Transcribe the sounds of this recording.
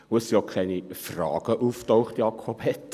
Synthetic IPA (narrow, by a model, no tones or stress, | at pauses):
ʊəsijokʰɛɪnifrɑ̰ːɡ̥əʔuftoʊχtjɑːkʰɔphɛt